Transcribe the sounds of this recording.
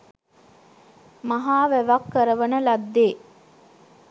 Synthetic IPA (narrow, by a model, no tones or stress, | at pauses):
mɐɦaːʋæʋɐkːɐɾəʋɐnəlɐd̪ːeː